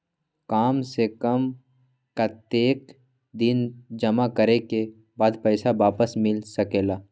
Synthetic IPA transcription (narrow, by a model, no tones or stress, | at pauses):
kaːmsekəm | kat̪eːk | d̪ɪnd͡ʒəmakəɾeke | baːd̪pəɪsabaːpəsmɪlsəkeːlaː